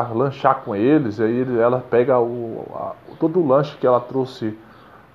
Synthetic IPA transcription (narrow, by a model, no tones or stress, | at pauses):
lɐ̃ʃakõelɪzaielɛlɐpɛɡɐʊa̰t̪od̪ʊʊlɐ̃ʃʊ̥kɪɛlɐt̪ɾosɪ